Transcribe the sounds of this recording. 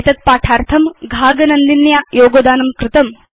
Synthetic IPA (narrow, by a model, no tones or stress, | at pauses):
t̪ɐt̪̚paːʈʰaːɾt̪ʰɐmɡʱaːɡɐnɐnd̪injajoːɡod̪aːnɐmkɾɪt̪ɐm